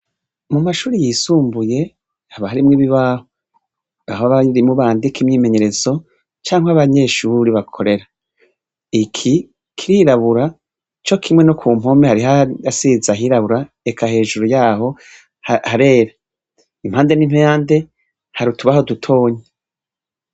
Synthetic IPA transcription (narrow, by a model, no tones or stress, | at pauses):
mumaʃuːɾijisuːmbuje̞ | haβahaɾimŋiβiβaho | aɦoβaɾimuβaːndikimɲiːme̞ɲe̞ɾe̞zo̞ | t͡ʃaːŋhwaβaɲe̞ːʃuːɾiβakʰo̞ɾe̞ɾa | ikʰi | kʰiɾiɾaβuɾa | t͡ʃo̞kʰimŋe̞nokʰuːm̥ho̞mehaɾiɦaasizaɦiɾaβuɾa | ekʰahe̞ːʒuɾujaːɦo̞ | hahaɾe̞ːɾa | imhaːnde̞nim̥hejaːnde̞ | haɾutuβaho̞dutʰo̞ːɲe